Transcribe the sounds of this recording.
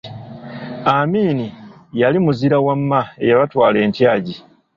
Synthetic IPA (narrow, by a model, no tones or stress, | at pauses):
amiːnijalimuziɾawamːae̞̰jaβatwaːle̞ːntjaːɟi